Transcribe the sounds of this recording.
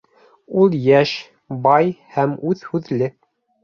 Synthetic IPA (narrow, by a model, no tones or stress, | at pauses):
ulˠjæʃ | bɑjhæmʉðhʉðlɘ